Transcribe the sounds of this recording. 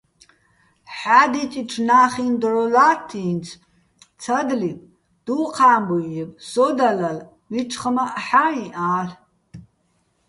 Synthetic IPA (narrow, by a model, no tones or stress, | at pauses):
ħad̪itʼiʈ͡ʂʰnaːχind̪rɔlaːtʰːiːnt͡sʰ | t͡sʰad̪lipʼ | d̪̥uqʰaːmbujɛpʼsɔd̪alɐl | wiʈ͡ʂʰʼχəmaʔħaiʔaːɬ